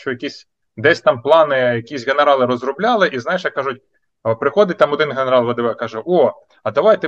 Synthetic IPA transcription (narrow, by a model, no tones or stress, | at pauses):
t͡ʃɔjɐkʲisʲ | d̪ɛsʲt̪ɑmplˠɑnɪjɐkʲisʲɣeneɾɑlˠɪɾɔzrʊblʲɑlˠɪʔiznɑjʃjɐkːɑʒʊtʲ | pɾɪxɔd̪ɪt̚ʲt̪ɑmɔd̪ɪnɦeneɾɑlˠʋɐd̪ɪʋɛkɑʒɛʔo | ɐd̪ɐʋɑjt̪ɛ